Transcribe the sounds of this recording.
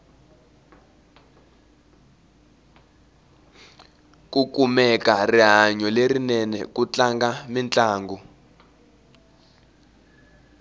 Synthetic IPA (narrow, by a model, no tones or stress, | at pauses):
kukumɛkariɦaɲɔlerinɛnɛ̰kut͡ɬaŋɡamint͡ɬʼaːŋɡu